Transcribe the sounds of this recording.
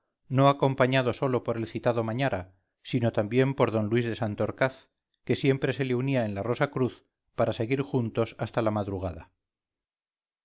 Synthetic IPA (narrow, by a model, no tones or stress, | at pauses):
no̞ako̞mpaɲað̞o̞so̞lopo̞ɾe̞lθit̪aðomaɲaɾa | sino̞t̪ambje̞mpo̞ɾðo̞nlwizðe̞sant̪o̞ɾkaθ | ke̞sje̞mpɾe̞se̞leuniae̞nlaro̞sakɾuθ | paɾase̞ɣ̞iɾxunt̪o̞sast̪alamaðɾuɣ̞aða